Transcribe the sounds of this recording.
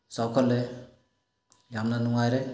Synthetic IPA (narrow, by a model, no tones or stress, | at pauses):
sawkʰɔlːe | jamnanuŋajɾe